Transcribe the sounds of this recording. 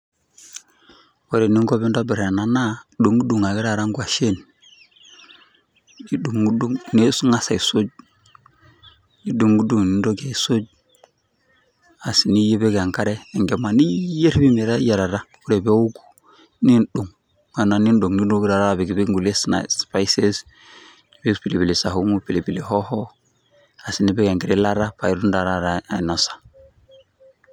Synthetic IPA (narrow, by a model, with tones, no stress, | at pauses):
wo˨ɾe˨ni˦ŋɡo˦be˦n˦do˦bi˨ɾe˨na˨na˦du˨ŋɡdu˨ŋa˨ɡi˦ɾa˨ɾa˦ŋɡwa˨ʃe˦˨n | i˦du˨ŋu˦du˦ŋne˦sŋa˦sa˨i˨so˦d͡ʒ̚ | di˦du˨ŋɡu˦du˦˨ŋni˨ndo˦ɡe˨i˨so˦d͡ʒ̚ | a˨si˨ni˦je˦be˦ɡa˨ŋka˦ɾeː˦˨ŋɡe˨ma˨ni˦je˦ɾbi˦mi˨ɾa˦ja˨ɾa˨ɾa˦ku˦ɾe˨be˦u˦ɡu̥˦ | ni˦nɗu˨ŋ | ma˨na˨ni˦nɗo˨ŋni˦do˦ɡɾa˨ɾa˦˨be˨ɡi˨bi˦ŋɡu˨le˦sna̰spa˦jse˦s | be˦pi˨le˨bi˨li˨sa˨ɦu˦ŋu˦pi˨le˨bi˨li˨ɦo˦hɔ˦ | a˨si˨ni˦be˦ɡa˨ŋki˨ɾi˦la˦ɾa˦pa˨jdu˦nda˨ɾa˦ɾaa˨no˨sḁ˨